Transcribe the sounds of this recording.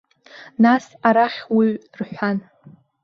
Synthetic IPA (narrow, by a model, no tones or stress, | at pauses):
nasaɾaχʲwiɥrħʷᶣan